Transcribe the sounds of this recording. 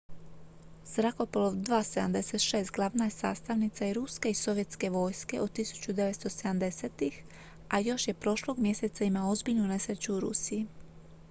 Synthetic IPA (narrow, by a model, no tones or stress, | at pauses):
z̥ɾako̞poloʋd̪ʋaːse̞d̪amd̪e̞se̞t̪ʃe̞ːst̪ɡlˠaʋnajesa̰ːst̪aʋnit̪saiɾuske̞iso̞ʋje̞t̪ske̞ʋo̞jske̞o̞d̪̚t̪ːisu̥t͡ɕud̪e̞ʋet̪st̪o̞sed̪amd̪e̞set̪ix | ajo̞ʃje̞pɾo̞ʃlo̞ɡmje̞se̞t̪saimao̞zbiʎnune̞sɾet͡ɕuuɾṵsiː